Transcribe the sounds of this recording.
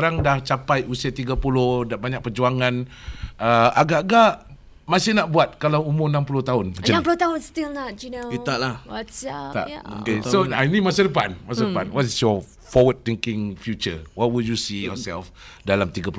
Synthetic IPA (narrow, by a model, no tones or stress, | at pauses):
ɾaŋdaht͡ʃapajʔusiat̪iɡapulʊhdaʔbaɲak̚pərd͡ʒuaŋãnəaɡaʔaɡaʔ | masɪhnaʔbuat̪̚kalawumʊnãmpulʊht̪aʊnd͡ʒəãmpulʊt̪aʊnst̪ilnɔt̚d͡ʒinit̪aʔlahat̪a̰ʔokesoajnimasadəpanmasadəpanwɔtsjɔ | fɔwəd̚t̪iŋkɪ̃ŋfjut͡ʃə̰waʔwuljusijɔsɛ̰lf | dalamt̪iɡapu